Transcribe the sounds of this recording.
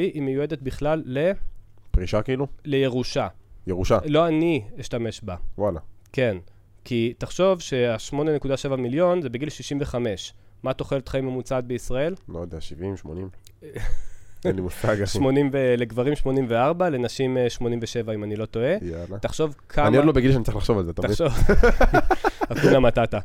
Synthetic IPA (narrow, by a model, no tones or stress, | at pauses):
iʔimejued̪e̞t̪̚biχlalːe̞pʁiʃakiilule̞je̞ʁuʃajeʁuʃalo̞aniiʃtame̞ʃbawalake̞n | kit̪aχʃo̞vʃe̞aʃmo̞ne̞nekud̪aʃe̞vamiljo̞nze̞beɡilʃiʃimveχame̞ʃ | mat̪o̞χelet̪χaimemut͡sad̪̚beisʁae̞lmod̪eaʃivimʃmonim | animusaɡʃmo̞nimveleɡvaʁimʃmo̞nimveaʁbale̞naʃimʃmo̞nimveʃe̞vaimanilo̞to̞e̞jalat̪aχʃo̞vkʰaamiod̪lobeɡilʃanit͡saʁiχlaχʃo̞valzet̪amaidʃov | akunamat̪at̪a